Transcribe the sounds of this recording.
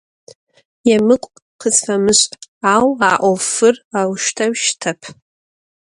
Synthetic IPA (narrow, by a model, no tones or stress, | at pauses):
jamɨkʷʼ | qʰəzfamɨʃʷtʼawaʔʷofɨrawʃtʰaɥʃtʰapʰ